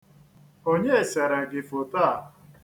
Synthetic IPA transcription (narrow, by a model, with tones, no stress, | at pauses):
o˦ɲe˦e˨sa˨ɾa˨ɡɪ˨fʊ˨ta˦a˨